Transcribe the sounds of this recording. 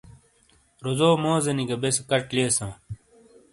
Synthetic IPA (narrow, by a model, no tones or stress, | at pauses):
ɾozoːmoːzɐniɡɐbeskɐʈleːsãː